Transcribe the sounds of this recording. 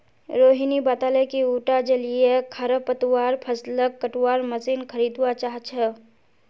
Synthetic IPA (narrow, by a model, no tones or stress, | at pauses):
ɾoːɦinibaːt̪aːləkiuːʈad͡ʒəlijekʰɐɾəpət̪waːɾpʰəsləkːəʈwaːɾməsiːnkʰəɾiːd̪wat͡ʃaːɦt͡ʃʰə